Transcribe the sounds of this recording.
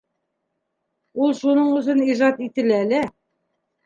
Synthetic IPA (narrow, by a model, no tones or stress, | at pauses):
ulˠʃunɤɴuθɘniʒɑt̪it̪ɘ̆lælɘ